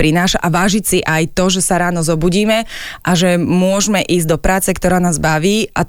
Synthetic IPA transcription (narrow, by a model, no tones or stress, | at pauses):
pɾinaːʃaʔaʋaːʒicsiʔajt̪ɔʒɛsaɾaːnɔzɔbuːɟiːmɛʔaʒɛmʊɔʒmɛʔiːzd̪ɔpɾaːt͡sɛkt̪ɔɾaːnaːzbaʋiːʔa